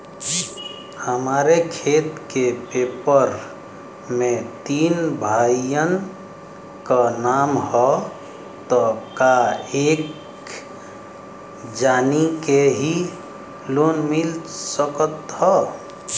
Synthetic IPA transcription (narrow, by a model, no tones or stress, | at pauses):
həmaɾekʰet̪kepepəɾ | mẽt̪inbʱaijən | kənamhɔ | t̪ɔkaek | d͡ʒanikeɦi | lonmilsəkət̪hɔ